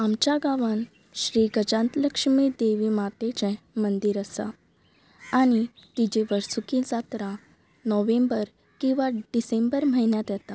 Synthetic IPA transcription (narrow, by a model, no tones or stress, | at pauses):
amt͡ɕaɡaʋən | ɕɾiːɡəd͡ʑãnt̪ləkʂmid̪eʋimat̪et͡ɕɛ̃ | mənd̪iɾəsa̰ | aɽ̃it̪id͡ʑeʋəɾsukĩsat̪ɾa | nɔʋembəɾ | kĩw̃ʋaɖisẽmbəɾm̤əɦinjat̪jɛt̪a